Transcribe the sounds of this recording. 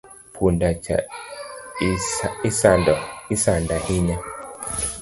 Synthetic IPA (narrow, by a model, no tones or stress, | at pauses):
pʰundat͡ʃa̰ | isandɔisandahiɲɛ